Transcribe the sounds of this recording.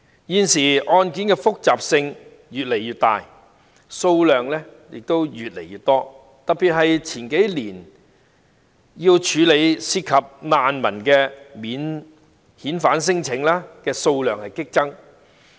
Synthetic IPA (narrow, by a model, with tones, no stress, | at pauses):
jiː˨˧nsiː˨˩ʔɔː˧nkiː˨˥nkɛː˧fʊ˥k̚t͡saː˨p̚sɪ˧ŋ | jyː˨t̚le˨˩jyː˨˩t̚t̪a̰ː˨j | so˧wlœː˨ŋlɛː˥ | jɪ˨k̚t̪o˥wjyː˨t̚lḛ˨˩jyː˨t̚t̪ɔː˥ | t̪ɐ˨k̚pːiː˨t̚ɦɐ˨jt͡sʰiː˨˩nke˨˥jliː˨˩n | jiː˧wt͡ʃʰyː˨˧le˨˧jsiː˧t̚kʰɐ˨p̚naː˨nmɐ̰˨˩nkɛː˧miː˨˥n | hiː˨˥nfaː˨˥ns̬ɪ˥ŋt͡sʰɪ˨˧˥ŋlaː˥kɛː˧so˧wlœː˨ŋhɐ˨jkɪ˥k̚t͡sɐ˥ŋ